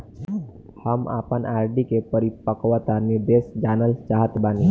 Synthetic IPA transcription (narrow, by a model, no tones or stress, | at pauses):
həma̰ːpənaːɾɖikepəɾipəkʋət̪anɪɾd̪esd͡ʒaːnəlt͡ʃaːɦət̪baːni